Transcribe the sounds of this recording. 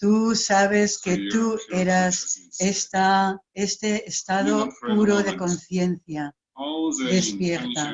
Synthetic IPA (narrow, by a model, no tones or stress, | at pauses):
t̪usaβ̞e̞ske̞t̪ue̞ɾasest̪aest̪eːst̪að̞o̞puɾo̞ðe̞ko̞nθje̞nθja | ðe̞spje̞ɾt̪a